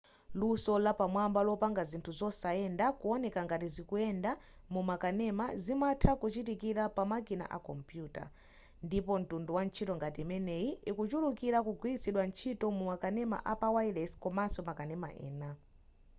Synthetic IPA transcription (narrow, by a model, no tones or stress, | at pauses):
lusɔlapamwambalɔpaŋɡazintʰuzɔsaɛndakuɔnɛkaŋɡatizikuɛnda | mumakanɛmazimatʰakut͡ʃit̬ikiɾapamakina̰ʔa̰kɔmpjuːta̰ | ndipɔn̩tunduwan̩t͡ʃʰitɔŋɡatimɛnɛjiikut͡ʃulukiɾakuɡwiisiɗwant͡ʃʰitɔmumakanɛma̰ʔapawailɛskɔmansɔmakanɛma̰ʔɛ̰ːna